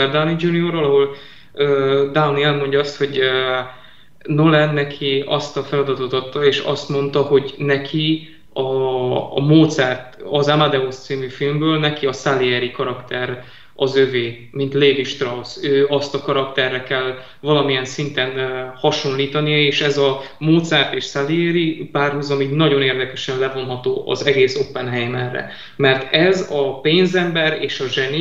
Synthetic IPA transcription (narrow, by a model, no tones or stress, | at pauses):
ɛrd̪awnid͡ʒuniorvɒlɒɦo̞l | øːd̪awniɛlmo̞ɲɟɒɒst̪ho̞ɟø | nolɛnːɛkʰiɒst̪ɒfɛlɒd̪ɒt̪ot̪ɒt̪ːɒeːʃɒ̰st̪mo̞nt̪ɒho̞ɟnɛkʰi | ɒ | moːt̪sɛrt̪ɒzamad̪ɛost̪siːmyfilmbøːlnɛkiɒsaliɛɾikɒɾɒkt̪ɛɾ | ɒzøveː | mint̪leːviʃt̪rɒwsøːɒst̪ɒkɒɾɒkt̪ɛrːɛkɛl | vɒlɒmijɛnsint̪ɛnhɒʃo̞nliːt̪ɒnijɒeːʃɛzɒmoːt̪sɛrt̪eːʃsaliɛɾipaːrhuzɒmiɡnɒɟo̞neːrd̪ɛkɛʃɛnlɛvo̞nɦɒt̪oːʔɒ̰zɛɡeːsopːɛnɦɛjmɛrɛ̰ | mɛrt̪ɛzɒpeːnzɛmbɛɾeːʃɒʒɛni